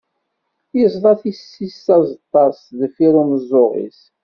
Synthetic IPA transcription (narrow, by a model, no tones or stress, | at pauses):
jəzˤlˤɑθisːisːɑzˤt̪ˤːɑsðəfiɾuməzˤːʊʁḭs